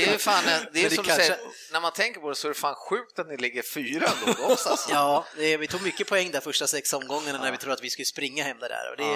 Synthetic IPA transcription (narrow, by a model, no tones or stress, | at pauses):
ɛjjfaːnɛd̪ɛd̪ɛɔmdk̪ʰaɛəə | næɾmant̪ʰɛŋkəɾpʰɔd̪ɛsɔɛɾɛfaːnɧʉ̟ːk̚t̪at̪nɪlɪɡːəɾfyːɾaɡ̪ɡɔsasjɑːd̪ɛvɪt̪ʰuːɡmʏkːəpʰɔɛŋːd̪æɾfœʂʈasɛksɔmɡɔŋːannæɾvɪt̪ʰuːd̪at̪vɪskɵləspɾɪŋːahɛmːd̪ædæ̰ːɾɔ̰d̪ɛ